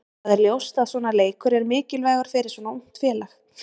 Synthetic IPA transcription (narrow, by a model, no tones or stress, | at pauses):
aðɛɾljowst̪aðsɔːnaleːjkʰʏɾɛɾmɪːcɪlvaːɣaɾ̥fɪɾɪɾ̥sɔːnaun̥t̪fjɛːlax